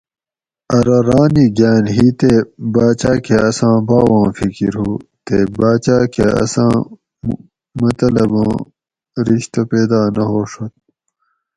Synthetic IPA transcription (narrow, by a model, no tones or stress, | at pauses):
ɐɾɐɾaːniɡaːnɦiːt̪ebaːt͡ɕaːkʰeɐsãːbaːwãːfikiɾɦuːt̪ebaːt͡ɕaːkʰeɐ̰sãː | mɐt̪ɐlɐbãː | ɾiɕt̪ɐpeːd̪aːnɐɦoːʂot̪̚